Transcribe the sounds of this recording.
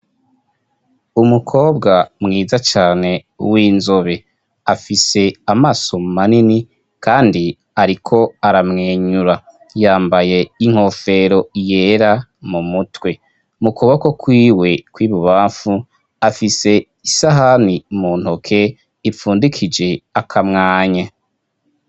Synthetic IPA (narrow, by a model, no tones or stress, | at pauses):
umukʰo̞ːbɡamŋiːzat͡ʃaːne̞ | wiːnzo̞βe̞ | afise̞amaːso̞manini | kaːndi | aɾikʰo̞aɾamŋeːɲuɾa | jaːmbaje̞iŋ̥ho̞ːfe̞ɾo̞je̞ːɾamumutwe̞ | mukuβakokwiːwe̞kwiːβuβaːfu | afise̞ | isaɦanimuːn̥hokʰe̞ | ifuːndikʰid͡ʒe̞akʰamŋaːɲa